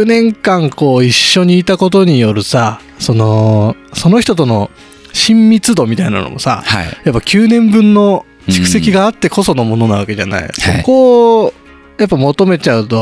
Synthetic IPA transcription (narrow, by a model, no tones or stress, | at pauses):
nẽ̞ŋkãŋko̞ːiɕːo̞ɲ̟iːt̪ako̞t̪̬o̞ɲ̟ijo̞ɾɯ̟sa | so̞no̞so̞no̞çi̥t̪o̞t̪ono̞ | ɕĩmːʲit͡sɨd̪o̞mʲit̪aina̰no̰mʔo̞̰sa̰hajapːakʲʰɨːnẽ̞mbɯ̟̃nːo̞ | t͡ɕi̥kɯ̟̥se̞kʲiɡaːt̪ːe̞ko̞so̞no̞mo̞no̞naβ̞ake̞d͡ʑa̰na̰ḭsoko̞ | japːamo̞t̪o̞me̞t͡ɕaɯ̟t̪o̞